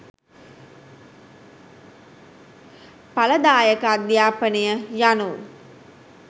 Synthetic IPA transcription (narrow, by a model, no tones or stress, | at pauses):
paləd̪aːjəkəad̪jaːpənejəjanu